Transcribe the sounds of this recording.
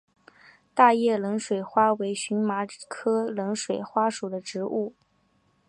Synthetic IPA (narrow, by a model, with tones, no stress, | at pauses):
t̪a˥˧jɛ˥˩lɤ˧˥ŋʂwe˨˩ɪxwa˥we˧˥ɪɕy˧˥nma˧˥kʰɤ˥lɤ˧˥ŋʂwe˨˩ɪxwa˥ʂu˨˩d̪ə˦ʈ͡ʂɻ̩˧˥ʔu˥˩